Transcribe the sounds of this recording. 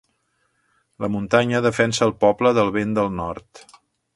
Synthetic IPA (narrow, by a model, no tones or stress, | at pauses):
ləmunt̪aɲəðəfɛnsəːlˠpɔbləðəlˠβend̪əlˠnɔrt̪